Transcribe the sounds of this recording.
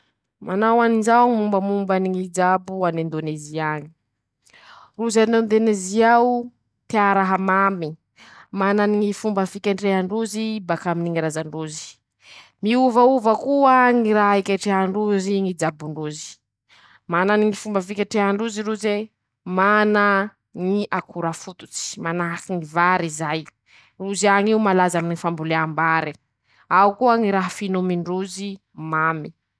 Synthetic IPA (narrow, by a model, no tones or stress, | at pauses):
mʔanawaninzaŋimumbəmumbaniŋid͡ʒabuanend̪oneziaɲi̥ | ruzanond̪oneziawu | t̪iaɾaɦamami | mananiŋifumbəfikʲaɳɖ͡ʐeɦaɳɖ͡ʐuzibakaminiŋiɾazaɳɖ͡ʐuzi̥ | miuvauvəkuaŋiɾaɦikʲeʈ͡ʂeɦaɳɖ͡ʐuziŋid͡zabuɳɖ͡ʐuzi̥ | mananiŋifumbəfikʲeʈ͡ʂeɦaɳɖ͡ʐuziɾuze | mana | ŋiʔakʰuɾafut̪u̥t͡si̥manaɦakiŋivaɾizaj | ruziaŋiumalazaminifambuleambaɾi | aukuaŋiɾaɦfinomiɳɖ͡ʐuzi | mami